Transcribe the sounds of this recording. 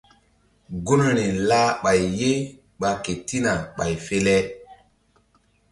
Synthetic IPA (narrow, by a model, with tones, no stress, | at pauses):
ɡu˦nne˨laː˦ɓa˨jːe˦ | ɓa˨ke˨ti˦na˨ɓa˨jfe˦lɛ˦